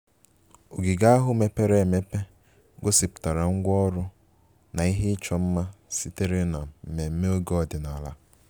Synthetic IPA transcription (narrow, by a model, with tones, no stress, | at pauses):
o˨ɡi˨ɡa˦a˦ɦʊ˦me˦pe˦ɾe˦˨me˦pe˦ | ɡʊ˦si˨pʊ̥˨ta˨ɾa˨ŋ̩˦ɡʷɔ˦ɾʊ˦ | na˨i˦ɦe˦ɪ˦t͡ʃɔ˦m̩˦ma˦si˦te˦ɾe˦na˨m̩˨me˨m̩˦me˦o˦ɡɔ˨dɪ˨na˨la̰˦